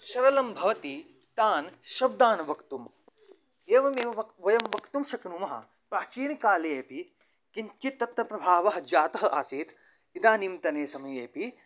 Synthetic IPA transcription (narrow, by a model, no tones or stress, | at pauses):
ʃɐɾɐlɐmbʱɐʋɐt̪i | t̪aːnʃɐb̚d̪aːnʋɐkt̪um | eːʋɐmeːʋɐʋɐʋɐjɐmʋɐkt̪umʃɐknumɐɦɐ̰ | pɾaːt͡ʃiːɳikaːlejeːpi | kiɲt͡ʃit̪ːɐt̪ɐpɾɐbʱaːʋɐɦɐ̆d͡ʒaːt̪ɐɦɐ̆ʔaːsiːt̪ | id̪aːnimt̪ɐneːsɐmɐjeːpi